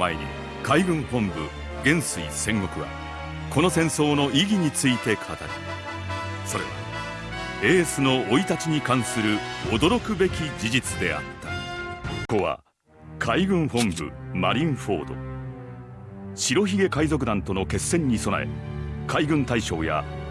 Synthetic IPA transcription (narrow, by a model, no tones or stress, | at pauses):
maḛɲ̟ḭ | kaiɡɯ̟̃ɰ̃hõ̞mbɯ̰ | ɡẽ̞ɰ̃sɨisẽ̞ŋɡo̞kɯ̟βa̰ | ko̞no̞sẽ̞ɰ̃so̞ːno̞ʔiɡʲiɲ̟it͡sɨit̪e̞kʰat̪aɾi | so̞ɾe̞̰βa̰ | e̞ːsɨno̞oit̪at͡ɕiɲ̟ikãɰ̃sɨɾɯ̟od̪o̞ɾo̞kɯ̟be̞kʲid͡ʑid͡ʑit͡sɨd̪e̞̰a̰t̪ːḁ | ko̞βa̰ | kʰaiɡɯ̟̃ɰ̃hõ̞mbɯ̟̰maɾʲĩɰ̃ɸo̞̰ːd̪o̞̰ | ɕiɾo̞çiɡe̞kaizo̞k̬ɯ̟d̪ãnt̪o̞no̞ke̞sːẽ̞ɲ̟ːiso̞na̰e̞̰kʰaiɡɯ̟̃nt̪aiɕo̞ːja̰